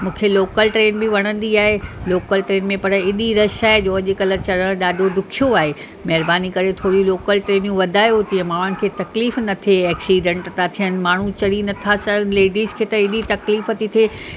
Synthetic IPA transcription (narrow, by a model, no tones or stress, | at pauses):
mũːkʰeloːkəlʈɾeːnbɪʋɐɽ̃ə̃nd̪iaːɦeloːkəlʈɾeːnmẽpɐɾəɪɗiɾɐʃaːɦed͡ʑoːɐʄɪ̆kɐlət͡ɕɐɽə̃ɗaːɖʱod̪ʊkʰijoaːɦe | mɐɦɪɾbaːnikɐɾet̪ʰoːɽuloːkəlʈɾeːnjũʋɐd̪ʱaːjot̪iɐ̃maːənɪ̆kʰeːt̪ɐkliːfnɐt̪ʰeɛːksiːɖə̃ɳʈt̪at̪ʰijən̆maːɳ̤ut͡ɕɐɽinɐt̪ʰasɐnleːɖiːzkʰeːt̪ɐɪɗit̪ɐkliːfət̪it̪ʰe